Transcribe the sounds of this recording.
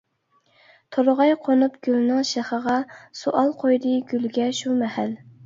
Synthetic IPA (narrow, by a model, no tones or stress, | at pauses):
t̪ʰoɾʁɑjqʰonupɡ̥ʲylnɨŋʃæχəʁɑsuʔɑlˠqʰojd̪ɨɡʲylɡʲɛʃumɛhæl